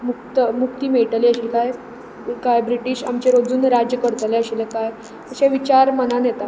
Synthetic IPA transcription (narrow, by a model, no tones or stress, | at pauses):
muk̚t̪əmuk̚t̪iːmeɭʈəliːəɕilaj | kajbɾiʈiːɕa̰mt͡ɕeɾod͡zuːnɾad͡ʑjəkəɽt̪leəɕilekaj | əɕẽʋit͡ɕaɾmənanjet̪a